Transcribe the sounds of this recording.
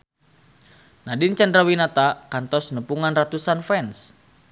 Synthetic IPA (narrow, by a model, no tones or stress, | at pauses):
nadint͡ʃandɾawinat̪akant̪ɔsnəpuŋanrat̪usanfɛns